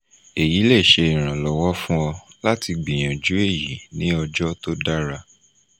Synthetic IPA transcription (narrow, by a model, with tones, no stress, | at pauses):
e˨ji˨˦le˦˨ʃe˧i˨ɾ̃ã˨lɔ˨wɔ˦fũ˦ɔ˧la˦ti˧ɡ͡bĩ˨j̃ã˨d͡ʒu˨˦e˦˨ji˨˦nĩ˦ɔ˧d͡ʒɔ˦to˦da˦ɾa˧